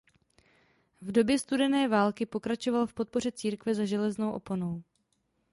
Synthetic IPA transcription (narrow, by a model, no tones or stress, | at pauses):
vdo̞bjɛst̪udɛnɛːvaːlkɪpo̞kɾat͡ʃo̞valfpo̞t̪̚po̞rɛt͡siːɾkvɛzaʒɛlɛznowʔo̞̰pono̞w